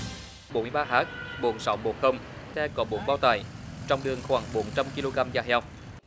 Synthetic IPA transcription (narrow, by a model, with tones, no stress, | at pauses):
ɓo˨˦nmɨ˧˩jɓaː˧ɦaː˦˥k̚ɓo˨˩ənsa˨˦wmo˨˩t̚xə˧ŋ͡mt̪ɛ˧kɔ˨˦ɓo˨˦nɓaː˧wt̪a̰ː˧˩jt͡ɕɔ˧wŋ͡mɗɨ˨˩əŋxwaː˧˩ŋɓo˨˦nt͡ɕa˧mki˧lo˧ɣaː˧mzaː˧ɦɛ˧w